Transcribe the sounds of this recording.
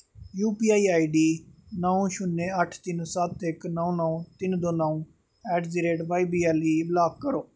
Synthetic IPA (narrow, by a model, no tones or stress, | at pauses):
juːpiːaːiːaːiːɖiːnəũːʃʊnːẽːəʈʰt̪ɪnsət̪ɪknɔũnɔũːt̪ɪnd̪õːnaːũː | ɛːʈziːɾeːʈʋaːiːbiːɛːliːblaːkːəɾoː